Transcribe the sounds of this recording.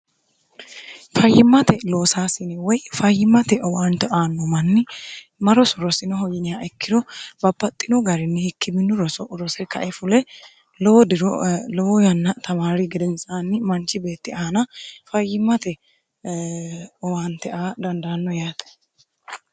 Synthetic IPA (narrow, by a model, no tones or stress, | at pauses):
fɐjːɪmːɐt̪ɛlo̞ːsaːsɪnɪwɔjfɐjːɪmːɐt̪ɛʔɔwaːnt̪ɛʔaːnːɔmɐnːɪ | mɐɾɔsɔɾɔsɪnɔɦɔjɪnɪjaːʔɛkːɪd̪ɔbɐbːɐt̪ʼːɪnɔɡɐɾɪnːɛhɪkːɪbɪnːʊɾɔsɔʔʊɾɔsɛkɐ̰ʔɛfʊlɛ | lɔwɔd̪ɪɾɔlɔwɔjɐnːɐt̪ɐmaːɾɪɡɛd̪ɛnsʼaːnːɪmɐnt͡ʃːɪbe̞ːt̪ːɪɐhɐnɐfɐjːɪmːɐt̪ɛ | ɔwaːnt̪ɛʔaːd̪ɐnd̪ɐːnːɔjaːt̪ɛ̥